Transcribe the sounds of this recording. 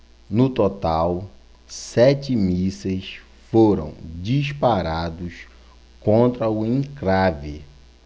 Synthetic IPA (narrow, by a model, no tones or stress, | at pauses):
nʊt̪ot̪aw | sɛt͡ʃɪmisɐs | foɾɐ̰̃w̃d͡ʒispaɾad̪ʊs | kõnt̪ɾɐʊẽŋkɾavɪ